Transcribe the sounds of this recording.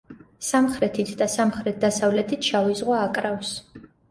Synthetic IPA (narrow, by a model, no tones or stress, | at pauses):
samχɾɛt̪ʰit̪ʰd̪asamχɾɛt̪̚d̪asavlɛt̪ʰit̪ʰʃavizʁwaːkʼɾafs